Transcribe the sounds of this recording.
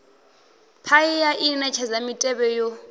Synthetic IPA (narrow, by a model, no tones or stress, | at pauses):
pʰaijaʔinɛt͡ʃʰazamitʼɛβɛjo